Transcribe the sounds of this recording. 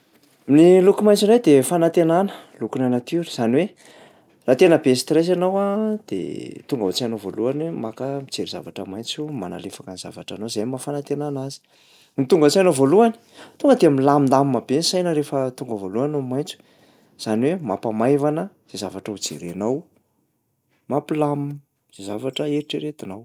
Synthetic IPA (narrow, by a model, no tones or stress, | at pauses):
mnilukumajnt͡siɾajd̪efanat̪enanə̥lukunanat̪iɾəz̥aniwe | rat̪enəbest̪res̬anawad̪̥ḛt̪uŋɡaɦut͡sianovoluanwemakəmit͡seɾiza̰vaʈ͡ʂəmajnt͡suma̰na̰lefakaniz̥a̰vaʈ͡ʂa̰nozanimafanat̪enanazi̥ | nit̪uŋɡat͡sianovoluani̥t̪uŋɡəd̪eamilaminlamimabensajnəɾefət̪uŋɡəvoluanomajnt͡su̥ | z̥aniwema̰pamajvanə | z̥ezavaʈ͡ʂəud͡zḛɾenaw | mapilam | z̥ezavaʈ͡ʂəeɾiʈ͡ʂeɾet̪inaw